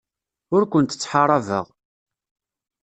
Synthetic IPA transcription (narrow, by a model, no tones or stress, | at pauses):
ʊɾkʷənt̪ə̥t͡sːħɑɾˤɑvə̰ʁ